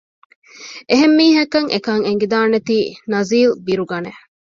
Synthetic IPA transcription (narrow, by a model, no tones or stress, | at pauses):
ʔeɦemːiːɦɐkɐŋʔekɐŋeŋ̆ɡid̪aːnet̪iːnɐziːlbiɾuɡɐne